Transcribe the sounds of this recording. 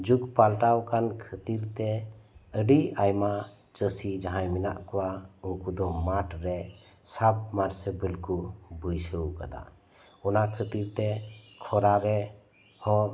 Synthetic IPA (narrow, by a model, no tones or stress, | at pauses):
d͡ʒukpalʈawkankʰət̪iɾt̪ɛəɖiajma | t͡ʃəsid͡ʒaɦãjmina̰ʔkɔwauŋkud̪ɔmaʈɾɛ | sab̚maɾsɛbəlkubəjsəwkad̪a̰ | ɔnakʰət̪iɾt̪ɛkʰɔɾaɾɛ | hɔ̃